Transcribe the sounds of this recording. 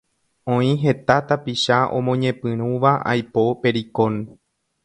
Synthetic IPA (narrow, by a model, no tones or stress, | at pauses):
õĩɦe̞t̪at̪apiʃaʔõ̰mõɲẽ̞pɨ̃ɾ̃ũʋaa̰jpope̞ɾikon